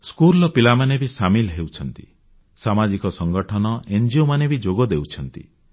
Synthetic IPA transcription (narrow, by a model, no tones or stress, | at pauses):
skuɾlɔpilamanebisamilɦewt͡ʃʰɔnt̪ḭ | samad͡ʒikɔsɔŋɡɔʈʰɔnɔend͡ʒiomanebid͡ʒoɡɔd̪ewt͡ʃʰɔnt̪ḭ